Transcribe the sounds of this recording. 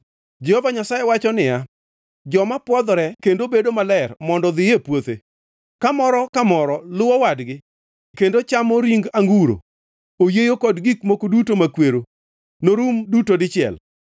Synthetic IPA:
d͡ʒɛhɔvaɲasajewat͡ʃɔnɪja | d͡ʒɔmapwɔd̪ɾɛkendobedomalɛrmɔndɔðɪjepwot̪e | kamɔɾɔkamɔɾɔlʊwɔwadɡɪ | kendot͡ʃamɔɾiŋɡaŋɡuɾo̰ | ojejokɔdɡikmokodutomakweɾo | noɾumdutodɪt͡ʃɪɛ̰l

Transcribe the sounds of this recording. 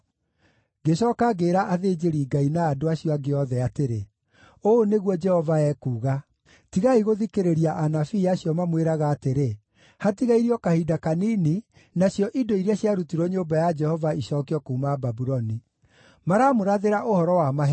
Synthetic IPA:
ɡeɕɔːkaɡeɾaʔaðeːd͡ʒeɾiːɡainaːdoaɕijɔaɡeɔðɛateɾe | oneɣwɔd͡ʒɛhɔvaɛːkuːɣa | tiɣaiɣoðikeɾeɾiaʔanafiaɕijɔmamweɾaɣaːteɾe | hatiɣaiɾiɔkahidakaniːni | naɕjɔʔidoiɾaɕjaɾutiɾɔɲoːbajad͡ʒɛhɔvaiɕɔkiɔkoumaːbabuɾɔni | maɾamoɾaðeɾaʔohɔɾɔwamaɦɛ

